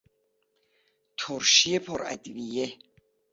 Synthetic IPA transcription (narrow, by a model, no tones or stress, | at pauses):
t̪ʰɔɾʃiɛpʰɔɾa̰d̪vijɛ